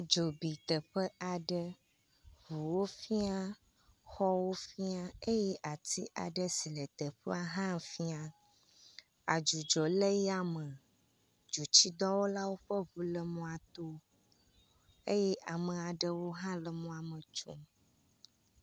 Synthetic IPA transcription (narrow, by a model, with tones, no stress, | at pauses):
d͡ʒo˨bi˨t̪ə˨ɸə˦ʔa˨ɖə˦ | βu˨wo˦fi˦a˦ | xɔ˦wo˦fi˦a˦e˦jɛ˦ʔa˨t̪ʰi˦ʔa̰˨ɖə˦si˨lə˨t̪ə˨ɸə˦a˦ɦã˦˨fi˦a˦ | a˨d͡ʒu˨d͡ʒɔ˨lə˦ja˦mə˨ | d͡ʒu˨t͡ɕi˦d̪ɔ˦wo˦la˦wo˦ɸə˦βu˨lə˦mũ˦a˨t̪o˦ | e˦jɛ˦ʔa˨mə̃˨a˨ɖə˦wo˦ɦã˦lə˨mũ˦a˨mə˨t͡ʃṵ˦m